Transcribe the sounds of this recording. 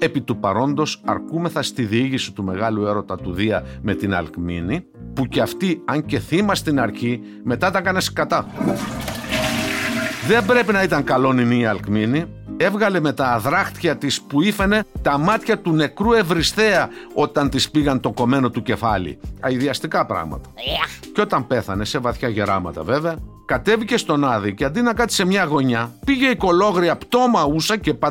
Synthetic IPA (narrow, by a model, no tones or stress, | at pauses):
e̞pit̪upɐɾo̞nd̪o̞sɐ̰ɾkume̞θɐst̪iðiiʝisi̥t̪ume̞ɣɐlue̞ɾo̞t̪ɐt̪uðiɐme̞t̪inɐ̰lkmḭni | puceɐft̪iɐɲce̞θimɐst̪inɐɾçi | me̞t̪ɐt̪ɐkɐne̞skɐt̪ɐ | ðe̞mbɾe̞pinɐit̪ɐŋkɐlo̞niniɐlkmini | e̞vɣɐle̞me̞t̪ɐːðɾɐxt̪çɐt̪ispuife̞ne̞t̪ɐmɐt̪çɐt̪une̞kɾue̞vɾist̪e̞ɐo̞t̪ɐnt̪ispiɣɐnt̪o̞ko̞me̞no̞t̪uce̞fɐ̰lḭɐiðiɐst̪ikɐpɾɐ̰ɣmɐ̰t̪ɐ̥co̞t̪ɐmpe̞θɐne̞se̞vɐθçɐʝeɾɐ̰mɐ̰t̪ɐ̰ve̞veɐ | kɐt̪e̞vice̞st̪o̞nɐðiceɐnd̪inɐkɐt̪i̥se̞mɲɐɣo̞ɲɐpiʝe̞iko̞lo̞ɣɾiɐpt̪o̞mɐusɐce̞pɐ